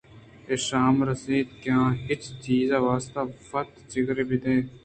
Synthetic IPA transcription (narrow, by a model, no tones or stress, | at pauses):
eːʃaːmɾəsiːd̪kjãːɦɪt͡ʃt͡ʃiːzaːʋaːst̪aːfɐt̪t͡ʃɪɡɾeːbʱiːt̪ẽː